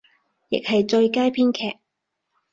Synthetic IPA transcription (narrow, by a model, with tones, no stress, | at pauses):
jɪ̰˨k̚hɐ˨jt͡ʃɵ˧ɥkaː˥jpʰiː˥nkʰɛ̰ː˨k̚